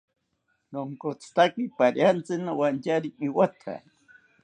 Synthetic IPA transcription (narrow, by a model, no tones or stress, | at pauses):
noŋkot͡sʰt̪akipaɾjant͡sɨnawant͡ʃaɾiiwat̪ʰa̰